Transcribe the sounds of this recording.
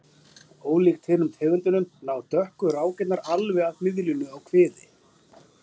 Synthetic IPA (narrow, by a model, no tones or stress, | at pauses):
oːwlik̚t̪ʰhɪnʏmt̪ʰɪːvʏnt̪ʏnʏmnaːwt̪œhkʏɾaːwcɛt̪naɾalvɪaðmɪðlinʏawkʰv̥ɪːðɪ